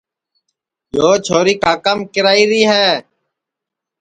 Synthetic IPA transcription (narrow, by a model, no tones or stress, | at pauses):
d͡ʒoːt͡ʃʰoːɾiːkaːkəmkɪɾaːiːɾiːɦɛː